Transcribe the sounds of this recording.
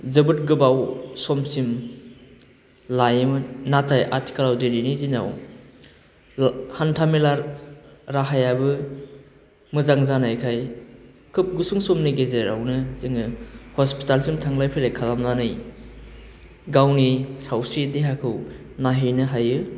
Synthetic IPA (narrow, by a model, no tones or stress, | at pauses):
zɯbɯt̚ɡɯbawsɔmsim | lajɯmnatʰajʔa̰ɾtʰi̥kalawdeninizina̰w | hantʰamilaɾɾaɦajabɯ | mɯzaŋzanajkʰaj | kʰɯp̚ɡusuŋsɔmniɡezeɾa̰wnɯziŋɯhɔspitalsimtʰaŋlajpʰilajkʰalamanɯj | ɡawnisawsideɦakʰɯw | naɦinɯɦajɯ